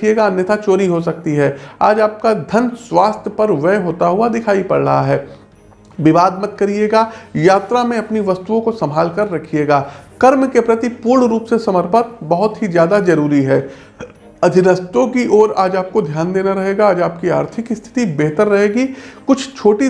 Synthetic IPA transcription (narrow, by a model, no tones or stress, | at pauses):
kʰieːɡanjɪt̪ʰat͡ʃoːɾiɦosɐk̚t̪iɦɛːa̰ːd͡ʒaːp̚kad̪ʱɐnswaːst̪ʰjəpɐɾʋɛɦoːt̪aɦʊad̪ɪkʰaːipɐ̰ɽɾɐ̰ɦaɦɛː | ʋɪʋaːd̪mɐd̪̚kɐɾieːɡaːjaːt̪ɾamẽɐpniʋɐst̪uõkosɐmbʱaːlkɐɾːɐkʰieːɡaːkɐɾmkepɾɐt̪ipʊːɾɳɾuːpsesɐməɾpət̪̚bɐɦʊt̪ɦizjaːd̪azɐɾuːɾiɦɛː | ɐd̪ʱɪnəst̪õkiʔoːɾaːd͡ʒaːp̚kod̪ʱjaːnd̪eːnaɾɐɦeːɡaaːd͡ʒaːp̚kia̰ːɾt̪ʰɪkɪst̪ʰɪ̥t̪ibeɦt̪əɾːɐɦeːɡikʊt͡ʃʰt͡ʃʰoːʈi